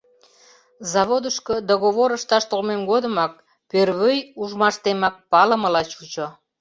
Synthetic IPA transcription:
zɑβod̪əʃkəd̪oɣoβoɾəʃt̪ɑʃt̪olmemɡod̪əmɑk̚ | pørβøjuʒmɑʃt̪emɑk̚pɑləməlɑt͡ɕut͡ɕo

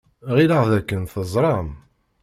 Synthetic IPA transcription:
ʁilaʁðækːənθəzˤɾˤɑm

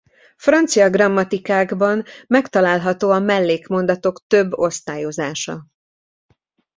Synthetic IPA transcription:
frɒnt̪sijɒɡrɒmːɒt̪ikaːɡbɒnmɛkt̪ɒlaːlɦɒt̪oːɒmɛlːeːkmo̞nd̪ɒt̪o̞kt̪øbːo̞st̪aːjo̞zaːʃɒ̰

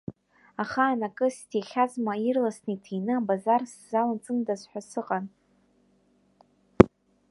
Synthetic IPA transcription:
aχaːnakʼɨstʰeχʲazmairlasnɨitʰejnɨabazarszalant͡sʼɨndazħʷᶣasɨqʼan

